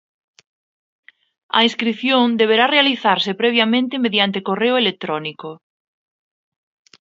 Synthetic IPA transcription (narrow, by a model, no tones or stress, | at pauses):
ɐ̰ĩnskɾiθjõŋd̪eβ̞eɾarealiθaɾsepɾɛβ̞jamẽnt̪ɪmeðjant̪ekoreʊelek̚t̪ɾɔniko